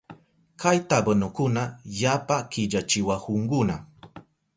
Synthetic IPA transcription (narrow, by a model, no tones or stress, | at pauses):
kʰajt̪abɨnʊkʊnajapakɪd͡ʒat͡ʃɪwahʊŋɡʊna